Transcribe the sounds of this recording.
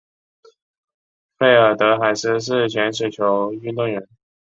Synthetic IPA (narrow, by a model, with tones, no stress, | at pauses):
fe˥˩ɪə˞˨˩t̪ɤ˧˥xa˨˩ɪʂɻ̩˥ʂ̬ɻ̩˥˩t͡ɕʰɥɛ˧˥nʂ̬ɛ˨˩t͡ɕʰjo˧˥ʊy˥˧t̪ʊ˥˩ŋɥɛ˧˥n